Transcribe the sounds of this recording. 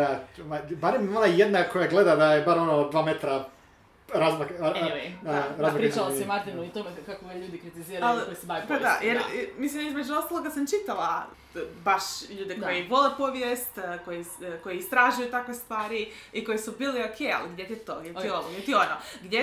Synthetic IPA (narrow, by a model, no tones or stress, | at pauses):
amabaɾemonajed̪nakojaɡled̪ad̪ajebaɾonod̪ʋaːmet̪ɾa | ɾazmak | ɾazzmpɾit͡ʃalˠaemat̪iʋnoit̪omekakoeʎuːd̪ikɾit̪iziɾaɾalkojsebaipad̪ajeɾmislimjemed͡ʒuost̪alˠoɡasamt͡ʃit̪ala | baʃʎuːd̪ekojeʋolepoʋjest̪kojekojeist̪ɾaʒujut̪akʋest̪ʋaːɾiiko̞jesubiːleokʰeja̰liɡd̪ʲjet̪it̪oɡdʲeionoɡjet̪ionoɡd̪je